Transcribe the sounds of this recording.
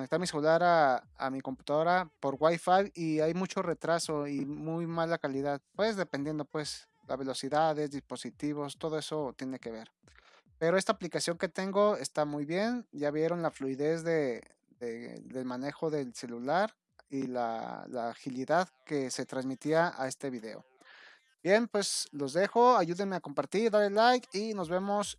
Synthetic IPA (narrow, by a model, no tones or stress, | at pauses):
konekt̪aɾmiselulaɾa | amiko̞mpu̥t̪aðo̞ɾapo̞ɾɣwajfajiajmut͡ʃo̞re̞t̪ɾaso̞imujmalakaliðaðpwe̞zðe̞pe̞nd̪je̞nd̪o̞pwe̞s | lazβe̞lo̞siðaðezðispo̞sit̪iβo̞st̪o̞ð̞o̞e̞so̞t̪je̞ne̞ke̞β̞e̞ɾ | pe̞ɾo̞e̞st̪aːplikasjo̞ŋke̞t̪e̞ŋɡo̞e̞st̪amujβje̞nɟ͡ʝaβje̞ɾo̞nlafluiðe̞zðe̞ | ðeðe̞lmane̞xo̞ðe̞lse̞lulaɾ | ila̰la̰ːxiliðaðke̞se̞t̪ɾanzmit̪iaa̰e̞st̪e̞βiðe̞o̰ | b̥jenpwe̞slo̞zðe̞xo̞aʝuðenmeako̞mpaɾt̪iɾðaɾelajkino̞zβe̞mo̞s